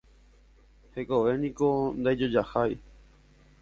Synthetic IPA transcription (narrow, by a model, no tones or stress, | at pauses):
hekoʋe̞nĩkond̪ad͡ʒod͡ʒahaj